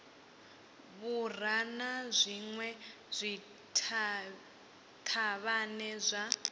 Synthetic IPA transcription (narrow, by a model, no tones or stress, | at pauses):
βur̤anazʷiŋwɛ | z̥ʷi | tʰ | tʰaβanɛzʷa